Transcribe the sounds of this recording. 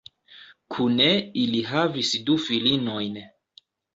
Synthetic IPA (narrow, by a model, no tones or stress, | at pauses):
kʰuneiliɦavisdufilino̞jn